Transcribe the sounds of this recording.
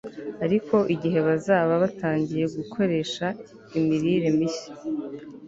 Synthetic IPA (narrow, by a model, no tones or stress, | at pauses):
aɾikʰo̞ʔiɟiɦe̞βazaːβaβataːɲɟije̞ɡukʰo̞ɾe̞ːʃa | imiɾiːɾe̞miçi̥